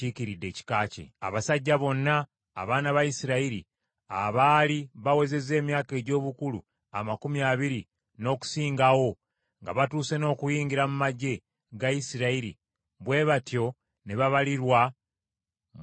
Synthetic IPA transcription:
ikiɾidːe̞ːci̥kaːcḛa̰βasaɟːaβo̞nːa̰ː | βaːnaβajisiɾaiɾi | a̰βaːliβawe̞ze̞ze̞ːmjaːke̞ːɟo̞ːβukulu | a̰makumjaβiɾi | no̞ːku̥siːŋɡawo̞ | ŋɡa̰βatuːse̞no̞ːkujiːŋɡiɾamumaɟːe̞ | ɡajisiɾaiɾḭ | βwe̞ːβatjo̞ | ne̞βaβaliɾwa

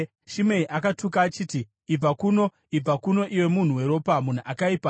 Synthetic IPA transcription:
ʃimeiʔakatukaːt͡ʃiːtiː | b͡vakuno̞ | ib͡vakuno̞ʔiwe̞mun̤uwe̞ɾo̞ːpamun̤uʔakaipa

